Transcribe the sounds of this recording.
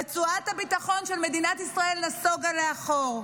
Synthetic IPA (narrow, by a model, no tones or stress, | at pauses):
et͡suat̪habit̪aχo̞nʃe̞lmed̪inat̪isʁae̞lːaso̞ɡaleaχo̞ʁ